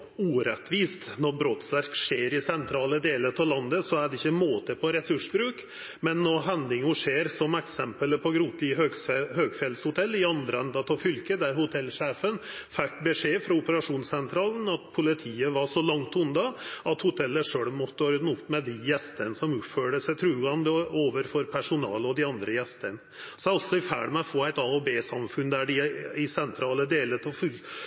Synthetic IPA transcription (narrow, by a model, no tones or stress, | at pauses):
uːɾɛt̪ʋiːst̪nɔɾbɾoːt̪sʋæɾkʂeːɾɪsɛnt̪ʰɾɑːləd̪eːlət̪ʰɑlɑnd̪əsɔæɖɛɪçːəmoːt̪əpʰɔɾɛsʉʂbɾʉːk | mɛnːɔɦɛnd̪ɪŋʊʂeːɾsɔmɛksɛmpələpʰɔɡɾuːt̪lɪøhøːɡfɛlshʊt̪ʰɛlːɪɑnd̪ɾəɛnd̪ɑt̪ʰɑfʏlkəd̪æɾhʊt̪ʰɛlʂeːfən | fɛkːbəʂeːfɾɑʊpəɾɑʂuːnsɛnt̪ʰɾɑːln̩ɑt̪pʰʊlɪt̪ʰiːəʋɑʂɔlɑŋt̪ʊnd̪ɑɑt̪hʊt̪ʰɛlːəʂøːɽmɔt̪ːəoɾd̪nʊpːmɛd̪ɪjɛst̪ənəsɔmʉːpføːɖəsɛt̪ʰɾuːɡɑnd̪əoːʋəɾfɔɾpʰæʂʊnɑ̰ːlɔd̪ɪɑnd̪ɾəjɛst̪ənə | sɔɑlt̪sɔɪfæ̰ːɖmɛfoːæɪt̪ɑːobeːsɑmfʉnd̪æɖɪɪsɛnt̪ʰɾɑːləd̪eːlət̪ʰɔfʏl